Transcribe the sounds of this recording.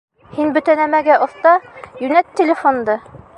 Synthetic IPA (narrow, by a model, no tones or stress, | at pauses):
hinbɵ̆t̪ænæmæɡæʔŏθt̪ɑjʉnæt̪ːelʲefond̪ɤ